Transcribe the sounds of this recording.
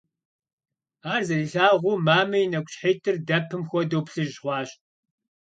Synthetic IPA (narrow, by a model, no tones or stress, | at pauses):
aːrzɐɮɨɬaːʁʷuːmaːmɐjnɐkʷʼɕħeːtʰʼɨrdɐpʰɨmxʷɔdoːpɬɨʒʁʷɑːɕ